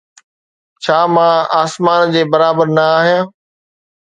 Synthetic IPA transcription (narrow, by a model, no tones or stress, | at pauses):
t͡ɕʰaːmãaːsmaːnd͡ʑeːbɐɾaːbəɾnɐaːɦijãː